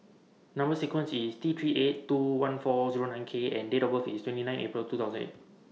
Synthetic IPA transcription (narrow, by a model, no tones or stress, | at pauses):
nãmbəsikwə̃nsist̪it̪ʰɹiʔettːuwãnfɔziɹonãjnkʰeɛ̃ndedɔbəfistwɛ̃ntinãj̃nʔḛpɹiltuːt̪aʊzə̃nḛt̚